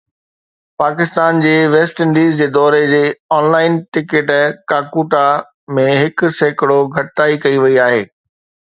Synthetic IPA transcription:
paːkɪst̪aːnd͡ʑeːʋeːsʈɪ̃ɳɖiːzd͡ʑeːd̪ɔːɾed͡ʑeːɔːnlaːɪnʈɪkɪʈkaːkuːʈa | mẽɦɪkʊ̆seːkɪɽoɡʱɐʈɪt̪aːikɐiʋɐiaːɦeː

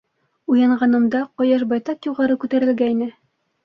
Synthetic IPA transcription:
ujɑɴʁɑnɤ̆md̪ɑqɒjɑʃbɑjt̪ɑqjuʁɑɾɤkʉt̪æɾɘ̆lɡæinɘ

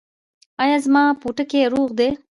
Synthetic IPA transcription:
ɑjɑzmɑpuʈəkeɾuɣd̪e

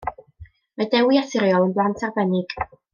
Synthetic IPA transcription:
mɛdɛwiaθɪɾjɔlˠənblˠantʰarvɛnɪɡ̥

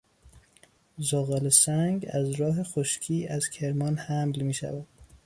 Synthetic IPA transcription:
zoːɣɑːlesæŋɡæzɾɒːɦe̞xoʃcʰiːæz̥cʰe̞ɾmɒːnhæmlmiːʃæ̰væd̪̥

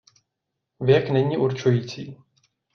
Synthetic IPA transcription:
vjɛknɛɲiːʔuɾt͡ʃujiːt͡siː

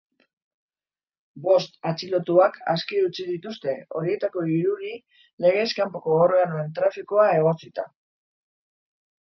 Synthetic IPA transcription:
bo̞st̪at͡silo̞t̪uakaskiut͡sið̞it̪ust̪e̞o̞ɾie̞t̪ako̞iɾuɾi | le̞ɣ̞e̞skampo̞ko̞ɣoroanoent̪ɾafikoae̞ɣ̞o̞t͡sit̪a

